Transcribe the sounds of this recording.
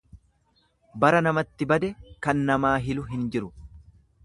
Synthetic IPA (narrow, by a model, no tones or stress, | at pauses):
bɐɾɐnɐmɐt̪ːɪbɐd̪ɛkɐnːɐmaːɦɪlʊɦɪnd͡ʒɪɾʊ